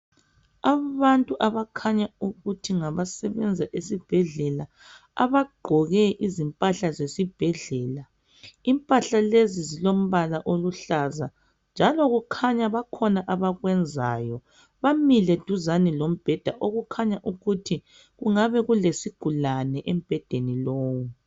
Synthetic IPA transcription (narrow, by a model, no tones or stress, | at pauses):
aβantʼuʔaβakʰaɲauɣutʰiŋaβasɛβɛnd͡zʱaʔesib̥ʱɛɮɛla | a̰βaɡ͡ǃʱɔɣɛʔizimpʼaɬazesib̥ʱɛɮɛːla | impʼaɬalezizilom̩βalaʔoluɬaza | nd͡ʒʱalɔɣukʰaɲaβakʰɔnaʔaβaɣwɛnd͡zʱa̰jɔ | βamilɛd̥ʱuzanilom̩b̥ʱɛd̥ʱaʔoɣukʰaɲaʔuɣutʰi | ɣuŋaβɛɣulesiɡ̥ʱulanɛʔem̩b̥ʱɛd̥ʱeniloːwu